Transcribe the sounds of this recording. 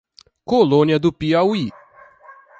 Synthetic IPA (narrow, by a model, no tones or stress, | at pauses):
kolõniɐd̪ʊpiawi